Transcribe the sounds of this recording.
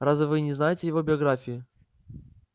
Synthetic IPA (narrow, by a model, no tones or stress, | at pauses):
ɾazvʲɪvɨnʲɪznajɪtʲɪjɪvo̞bʲɪɐɡɾafʲɪjɪ